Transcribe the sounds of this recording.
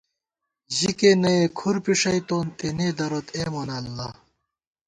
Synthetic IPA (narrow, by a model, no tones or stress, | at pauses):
ʑikenɐekʰuɾpiʂɐjt̪oːnt̪eneːd̪ɐɾot̪emonɐlːɐ